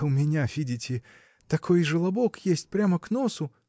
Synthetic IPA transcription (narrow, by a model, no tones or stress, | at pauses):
ʊmʲɪnʲavʲidʲɪtʲɪ | t̪ɐkʰo̞jʐɨlˠɐbokjesʲtʲpɾʲaməknosʊ